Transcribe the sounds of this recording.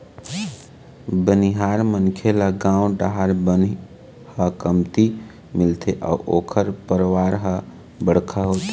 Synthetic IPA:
bəniɦaɾmənkʰelaɡãũɖaɦaɾbəni | həkəmt̪i | milt̪ʰeʔa̰uʔoːkʰəɾpəɾʋaɾɦə | bəɽ̤kʰaɦot̪e

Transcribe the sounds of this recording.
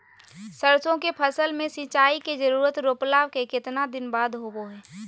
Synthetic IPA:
səɾsõkepʰəsəlmẽsĩt͡ʃaːiked͡ʒəɾuːɾət̪ɾoːplaːʋkekɪt̪nad̪ɪnbaːd̪ɦoɡoɦɛː

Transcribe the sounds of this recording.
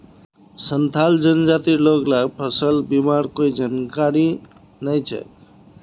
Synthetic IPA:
sʌnt̪ʰald͡zʌnd͡zat̪iloklaɡpʰʌsʌlbimaɾkojd͡zankaɾi | nʌjt͡sʰʌ̰

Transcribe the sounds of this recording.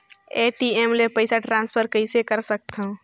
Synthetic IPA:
eːʈiemlepəɪsaʈɾãːnspʰəɾkəisekəɾsək̚t̪ɦũ

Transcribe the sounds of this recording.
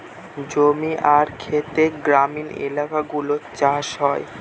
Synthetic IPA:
d͡ʑomiʔaɾkʰet̪eɡɾaminḛlakaɡulot͡ɕaʃɦɔe

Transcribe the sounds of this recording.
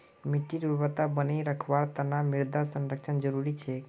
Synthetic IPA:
mɪʈːiɾuʋət̪abəneɾəkʰʋaɾt̪ənamɪɾd̪asənɾəkʃʰənd͡ʒəɾuɾit͡ʃʰe

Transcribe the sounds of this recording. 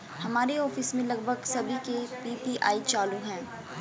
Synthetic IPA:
hɐmaːɾeɔːfɪsmẽlɐɡ̚bʱəɡsɐbʱikepiːpiʔaːit͡ʃaːluɦɛ̃ː

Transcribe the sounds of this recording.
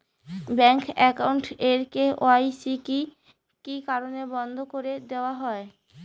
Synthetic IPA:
bɛŋkɛkawɳʈeɾkeoajsiki | kikaɾonebɔnd̪ʱokoɾed̪eoaɦɔe

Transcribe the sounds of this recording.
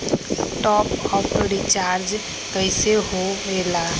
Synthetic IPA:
ʈɔpɔpəɾit͡ʃaɾd͡ʒ | kəɪseɦoela

